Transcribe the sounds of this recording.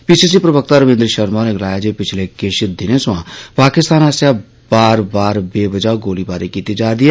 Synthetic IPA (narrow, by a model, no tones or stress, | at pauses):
piːsiːs̬ipɾəbək̚t̪aɾəʋẽːnd̪ɾəʃəɾmaːneɡlaːjad͡ʒepɪt͡ʃʰlekeʃɪd̪ɪnẽsʊãːpaːkɪst̪aːnaːsja | baːɾbaːɾbeːʋəd͡ʒaːoɡoːlibaːɾekiːt̪ed͡ʒaːd̪iaː